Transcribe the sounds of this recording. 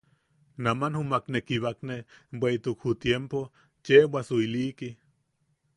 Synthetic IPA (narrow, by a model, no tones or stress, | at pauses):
namanhumaknekiβaknebʷeit̪ukhut̪jempo | t͡ʃewasuiliki